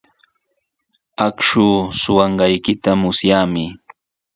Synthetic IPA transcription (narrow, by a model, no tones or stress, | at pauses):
akʃuːsʊwɑɴɢɑjkɪt̪amʊsjaːmɪ